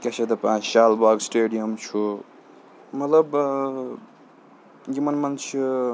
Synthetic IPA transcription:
kesʰed̪ɐpãt͡ʃʃaːlbaːɡsʈeːɖijɐmt͡ʃʰu | mɐt̪ləb | ɡimɐnmɐnt͡ʃʰi

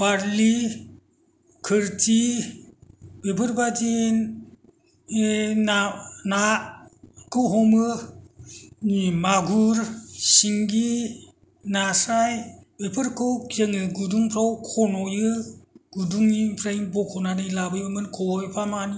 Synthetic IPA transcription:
b̥aɾli | kʰɯɾti | bepʰɯɾbadin | enana | kʰɯɦɔmɯ | nimaɡuɾsiŋɡi | nasajbepʰɯɾkʰɯwkjeŋɯɡuduŋpʰɾawkʰɔnɔjɯɡ̥uduŋipʰɾajŋbɔkʰɔnanɯjlabɯjbɯmɯnkʰɔwɔjpʰamani

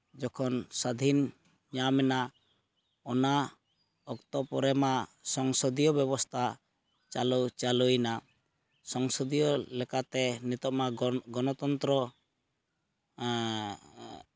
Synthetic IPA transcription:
d͡ʒɔkʰɔnsad̪ʱin | ɲamɛna | ɔna | ɔkt̪ɔpɔɾɛmasɔŋsɔd̪ijɔbjɔbɔst̪ʰa | t͡ʃalut͡ʃalujna | sɔŋsɔd̪ijɔlɛkat̪ɛnit̪ɔmaɡɔnɔt̪ɔnt̪ɾɔ

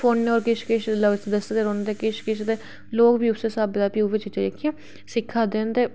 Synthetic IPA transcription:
fʰoːnːeɔːɾkɪʃkɪʃləʋsd̪əsd̪eːɾoːnd̪eːkɪʃkɪʃd̪eː | loːkbiːʊseːsaːbd̪aːpjuːʋɪt͡ʃɪt͡ʃeɾekʰːiẽː | sɪkʰːaːd̪eːnt̪eː

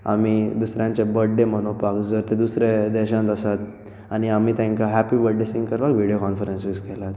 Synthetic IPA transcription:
a̰mid̪usɾjãɲt͡ɕebəɖːeməñopakd͡zəɾt̪ed̪usɾed̪ɛɕãnt̪əsat̪ | aɽ̃iamiːt̪ãŋkaɦæpibəɖːesĩŋɡkəɾʋakʋiɽijokɔnfəɾensiskɛlat̪

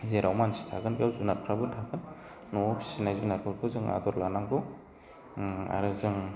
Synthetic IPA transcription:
zeɾawmansi̥tʰaɡɯnbiawzunat̚kʰɾabɯtʰaɡɯnː | ɔpʰi̥sinajzinat̚kʰuɾkʰɯzɯŋa̰d̪ɔɾlanaŋbɯ | a̰ɾɯzɯŋ

